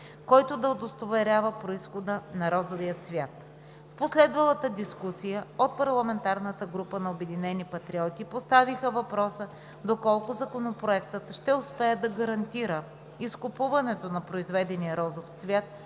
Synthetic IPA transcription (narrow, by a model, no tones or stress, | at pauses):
kɔjt̪ʊd̪ɐod̪ost̪ovɛɾʲavəpɾoisxod̪ənɐɾɔzovijət̪svʲjat̪ | fposlɛd̪vɐlˠət̪əd̪iskusijəot̪̚pɐɾlˠɐmɛnt̪aɾnət̪əɡɾupənɐobɛd̪inɛnipɐt̪ɾiɔt̪ipost̪avixəvɐpɾɔsə | d̪okɔlˠkʊzɐkonopɾoɛkt̪ət̪ʃt̪ɛʊspɛɛd̪ɐɡɐɾɐnt̪iɾə | iskʊpuvɐnɛt̪onɐpɾoizvɛd̪ɛnijəɾɔzoft̪svʲjat̪̚